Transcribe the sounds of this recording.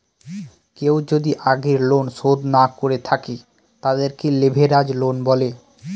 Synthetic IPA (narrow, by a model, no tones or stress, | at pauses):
kewd͡ʑod̪iʔaɡeɾlonʃod̪nakoɾet̪ʰake | t̪ad̪eɾkelebʱeɾad͡ʑlonbɔle